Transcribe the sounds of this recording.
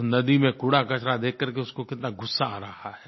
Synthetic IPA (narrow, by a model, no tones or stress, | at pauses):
nɐd̪imẽkuɽakɐt͡ʃɾad̪eːkːɐɾk̬eʊskokɪt̪naɡʊsːaa̰ːɾɐhahɛː